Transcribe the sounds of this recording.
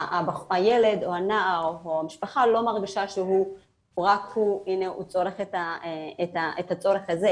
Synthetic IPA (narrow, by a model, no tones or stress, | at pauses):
abaχajele̞d̪oanaʔaʁoamiʃpaχalo̞maʁɡiʃaʃeɦu | ʁakhuineʔṵt͡so̞ʁeχet̪aetaʔetat͡so̞ʁeχhaze